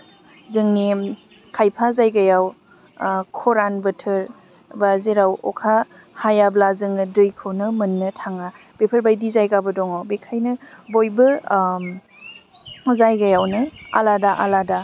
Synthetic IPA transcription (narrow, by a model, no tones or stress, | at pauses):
zɯŋni | kʰajpʰazajɡajaw | kʰɔɾanbɯtʰɯɾ | bazeɾawɔ̰kʰa | hajablazɯŋɯdɯjkʰɯwnɯmɯnːɯtʰaŋa | b̥epʰəɾbajdizajɡabɯdɔŋɔbekʰajnɯbojbɯ | zajɡajawnɯa̰ladaʔalada